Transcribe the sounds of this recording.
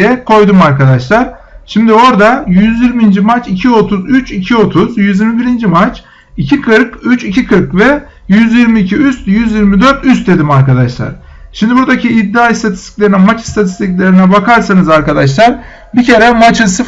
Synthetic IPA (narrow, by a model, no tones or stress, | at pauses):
jɛkʰo̞jd̪umaɾkʰad̪aʃlˠaɾ̥ʃimd̪io̞ɾd̪ajyzjiɾmind͡ʒimat͡ʃicʰio̞t̪ʰuzyt͡ʃicʰio̞t̪ʰuzjyzjiɾmibiɾind͡ʒimat͡ʃ | icʰikʰɯɾkyt͡ʃicʰikʰɯɾkvɛ | jyzjiɾmiːcʰiyst̪jyzjiɾmid̪ø̞ɾt̪yst̪̚d̪e̞d̪imaɾkad̪aʃlˠa̰ɾ̥ | ʃimd̪ibuɾd̪acʰiːd̪ːaːist̪ʰat̪ʰi̥st̪ʰi̥cʲlʲeɾinɛmat͡ʃi̥st̪ʰat̪ʰi̥st̪ʰicʲlʲe̞ɾinɛbakʰaɾsanɯzaɾkad̪aʃ̬lˠaɾ | bicʰe̞ɾɛmat͡ʃʰɯnsɯ